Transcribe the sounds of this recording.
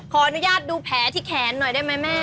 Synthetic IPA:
kʰɔː˧ʔa˧nu˦˥jaː˥˩t̪̚duː˧pʰɛː˩˦t̪ʰiː˥˩kʰɛː˩˦nːɔ˨˩jdaː˥˩jma˦˥jmɛː˥˩

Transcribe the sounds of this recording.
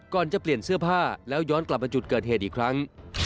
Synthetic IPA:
kɔː˨˩nt͡ɕa˨˩pli˨˩ənsɯ˥˩ɐpʰaː˥˩lɛː˦˥wjɔː˦˥nkla˨˩p̚maː˧t͡ɕu˨˩t̪̚kɤː˨˩t̪̚ɦeː˨˩t̪̚ʔiː˨˩kʰɾa˦˥ŋ

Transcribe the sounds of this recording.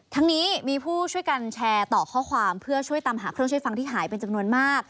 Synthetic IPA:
t̪ʰa˦˥ŋniː˦˥miː˧pʰuː˥˩t͡ɕʰu˥˩əjka˧nt͡ɕʰɛː˧t̪ɔː˨˩kʰɔː˥˩kʰwaː˧mpʰɯ˥˩ɐt͡ɕʰu˥˩əjt̪a˧mɦaː˩˦kɾɯ˥˩ŋt͡ɕʰu˥˩fa˧ŋt̪ʰiː˥˩ɦaː˩˦jpe˧nt͡ɕa˧mnu˧ənmaː˥˩k̚

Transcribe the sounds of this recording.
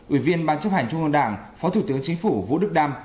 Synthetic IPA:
ʔwḭ˧˩vi˧ənɓaː˧nt͡ɕə˦˥p̚ha˨˩jŋ̟t͡ɕʊ˧ŋ͡mŋə˧nɗaː˧˩ŋfɔ˨˦t̪ʰu˧˩t̪ɨ˨˦əŋt͡ɕï˨˦ŋ̟fu˧˩vṵ˧˥ɗɨ˦˥k̚ɗaː˧m

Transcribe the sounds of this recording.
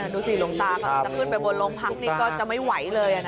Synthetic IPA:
a˧˩duː˧siː˨˩lo˧ŋt̪aː˧˥˩kɔ˥a˨˩pʰɯː˥˩npa˧jbo˧nloː˧mpʰa˦˥k̚niː˥˩kɔː˥˩t͡ɕa˨˩ma˥˩jwa˨˩˦jlɤː˧jʔa˨˩na˦

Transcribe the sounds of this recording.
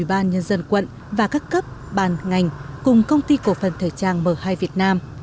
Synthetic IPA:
ɓaː˧nɲə˧nzə˧nkwə̰˧˨n | vaː˨˩kaː˦˥kːə˦˥p̚ɓaː˨˩nŋa˨˩jŋ̟kʊ˨˩ŋ͡mkə˧wŋ͡mt̪i˧ko˧˩fə˨˩nt̪ʰeː˧˩t͡ɕaː˧˩ŋməː˧˩haː˧jvi˨˩ət̚naː˧m

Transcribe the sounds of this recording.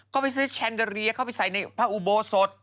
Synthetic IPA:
kkɔː˥˩pa˧js̬ɯː˦˥t͡ɕʰɛ˧ndə˧ɾi˧ɐkʰa˥˩wpa˧jsa˨˩˦jna˧jpʰaː˧˩ʔuː˧˩boː˧so˨˦t̪̚

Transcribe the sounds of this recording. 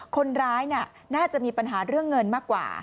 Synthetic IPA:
kʰo˧nɾaː˦˥jni˥˩ | naː˥˩t͡ɕa˨˩ʔmiː˧pa˧nɦaː˩˦ɾɯ˥˩əŋːɤ˧nmaː˥˩kːwa̰ː˨˩

